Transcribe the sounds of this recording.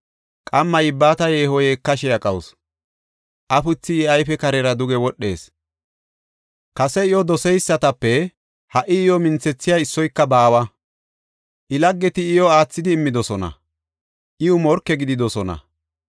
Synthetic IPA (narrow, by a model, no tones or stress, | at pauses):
kʼɐmːɐjɪbːaːt̪ɐjeːhɔjekːɐʃɛjɐkʼɐwʊs | ʔɐfʊt͡sːɪɪɐjfɛkɐɾɛɾɐd̪ʊɡɛwɔɗːe̞ːs | kɐsɛɪjɔd̪ɔsɛjsːɐt̪ɐpːɛ | hɐʔɪɪjɔmɪnt͡sːɛt͡sːɪjaɪsːɔjkːɐbaːwɐ | ʔɪlɐɡːɛt̪ɪɪjɔaːt͡sːɪd̪ɪːmːɪd̪ɔsɔnɐ̰ | ʔɪʊmɔɾkːɛɡɪd̪ɪd̪ɔsɔnɐ̰